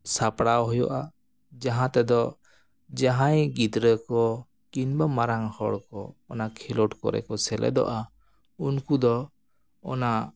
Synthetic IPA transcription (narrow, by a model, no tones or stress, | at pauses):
sapɽawɦɔjɔ̰ʔa | d͡ʒaɦãt̪ɛd̪ɔ | d͡ʒaɦãjɡid̪ɾəkɔ | kinbəmaɾaŋhɔɽkɔːnakʰilɔʈkɔ̰ɾɛ̰kɔsɛlʔɛ̰d̪ɔ̰ʔa | unkud̪ɔ | ɔ̰na